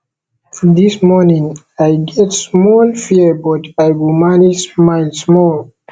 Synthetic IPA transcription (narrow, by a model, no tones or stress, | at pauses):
d̪ismɔnĩŋ | ajɡɛtsmɔlfiəbɔtajwimanid͡ʒsmaɪlsmɔl